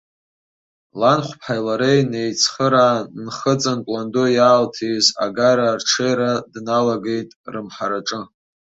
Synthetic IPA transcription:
lanχʷpʰħajlaɾejnejt͡sʰχəɾanχət͡sʼanpʼlandojaːltʰiza̰ɡaɾarʈ͡ʂʰejɾadnalaɡe̞jtʼrɨmħaɾaʈ͡ʂʼɨ

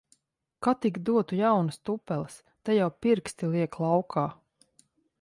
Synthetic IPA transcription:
kat̪ikd̪uɔt̪ujawnɨst̪upːɛlˠs | t̪ajawpiɾkst̪iliɛklˠawkʰaː

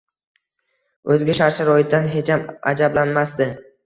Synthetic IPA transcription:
ɵzɡʲaʃaɾʃɪɾɒɪd̪anɦet͡ʃama̰d͡ʒablanmasd̪ɪ

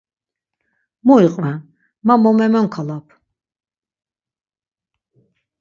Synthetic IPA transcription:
mɔiqʼvɛn | mamɔmɛmamkʰalapʰ

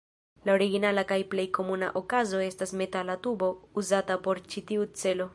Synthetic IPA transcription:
lao̞ɾiɡinalakajple̞jko̞muna̰ʔokazo̞e̞stasme̞talatubo̞uzatapo̞ɾt͡ʃitiut͡se̞lo̞

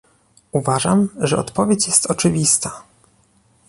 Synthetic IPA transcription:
uvaʐamʐɛɔ̰t̪pɔvʲjet͡ɕjɛst̪ɔt͡ʂɘvʲist̪a

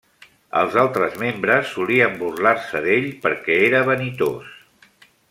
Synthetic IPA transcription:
ə̰lˠzalˠt̪ɾəzmembɾəsːuliəmburlaɾsəðeʎpəɾkɛeɾəβənit̪o̰s

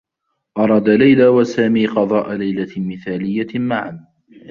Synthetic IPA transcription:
ʔɑɾˤɑd̪alajlaːwasaːmiːqɑd̪ˤɑːʔalajlamɪθaːlɪjːamaʕan

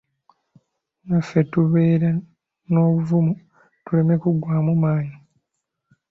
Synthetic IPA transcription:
nafetuβe̞ːɾa | no̞ːβuvumu | tule̞me̞kuɡwaːmumaːɲi

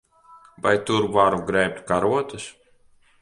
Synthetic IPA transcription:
vajt̪uɾvaɾuɡɾɛjp̚t̪ʲkaɾuɔt̪ɨs

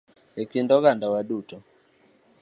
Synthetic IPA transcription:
ɛkindɔɣandawaɗutɔ

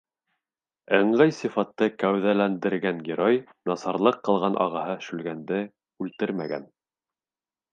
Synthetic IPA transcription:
ɘ̆ɴlæjsifɑt̪ːɤkæwðælænd̪ɘ̆ɾɡæŋɡʲeɾoj | nɑsɑɾlˠɤqːɤ̆lˠʁɑnʔɑ̰ʁɑɦɤʃʉlɡænd̪ɘ | ʉlt̪ɘɾmæ̰ɡæ̰n

